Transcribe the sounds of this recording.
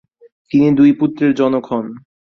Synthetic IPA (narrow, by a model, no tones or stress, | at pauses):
t̪inid̪ujput̪ːɾeɾd͡ʑɔnokʰon